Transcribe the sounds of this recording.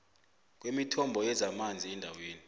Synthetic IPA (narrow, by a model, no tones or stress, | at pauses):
k̬wemitʰɔmbʱɔjɛzamand͡zʱiɛndʱaweːni